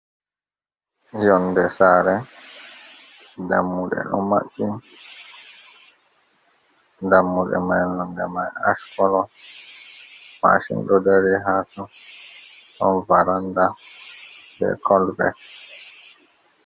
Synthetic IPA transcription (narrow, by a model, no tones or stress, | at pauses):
jɔndɛsaɾɛ | damːuɗɛ̰ɗɔ̰ma̰ɓːi | damːuɗɛ̰majnɔndɛ̰majaʃkɔlɔ | ma̰ʃḭnɗɔdaɾiɦatɔ | ɗɔnvaɾanda | bɛ̰kʰɔlbɛ̰t